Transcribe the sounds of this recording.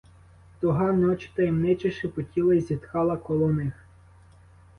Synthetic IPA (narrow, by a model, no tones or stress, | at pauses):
t̪ɔɦɑnɔt͡ʃɪ̥t̪ɐjimnɪt͡ʃɪʃɪpɔtʲilˠɐizʲit̪kɑlˠɐkɔlˠɔwnɪx